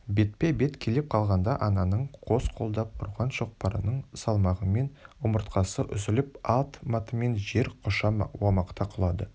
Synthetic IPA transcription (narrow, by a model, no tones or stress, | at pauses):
be̞t̪̚pebe̞t̪kʲʰe̞lep̚qʰɑlˠʁɑnd̪ɑʔɑnɑnəɴqʰo̞sqʰo̞lˠd̪ɑp̚ʰʊ̰ɾʁɑnʃo̞q̚pɑɾə̰nəɴsɑlˠmɑʁəme̞nʊməɾt̪qɑsəʔʏzɪlɪpɑlˠt̪mɑt̪əme̞nʒe̞ɾqʰoʃɑmwɑmɑqt̪ʰɑqʰəlˠɑd̪ə